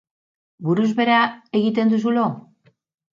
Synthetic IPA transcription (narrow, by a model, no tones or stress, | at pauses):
buɾuzβe̞ɾae̞ɣit̪e̞nd̪us̬ulo